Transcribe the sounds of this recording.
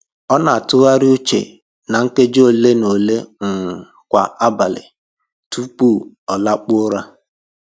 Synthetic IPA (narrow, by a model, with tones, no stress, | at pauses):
ɔ˦na˨a˨tʊ˦ɣa˦ɾɪ˦u˦t͡ʃḛ˨ | na˨ŋ̩˦ke˦d͡ʒo˦˨le˦no˨le˦ŋ̩˨ | kʷa˨a˦ba˨lɪ̰˨ | tu˦k͡pu˦˨ | ɔ˨la˦k͡pʊ˦ɾa˦